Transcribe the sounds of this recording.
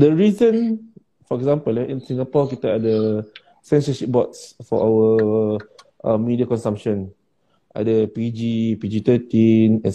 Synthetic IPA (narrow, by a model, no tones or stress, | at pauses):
dəɹizə̃n | fɔɛɡzãmpəlɛĩnsĩŋapɔkit̪əadə | sɛ̃nsəʃip̚bɔtsfɔ̰ʔawə | ʔə̃mːidiakɔ̃nsãmʃɔ̃n | ʔa̰dəpid͡ʒipid͡ʒit̪ət̪ĩnɛ̃n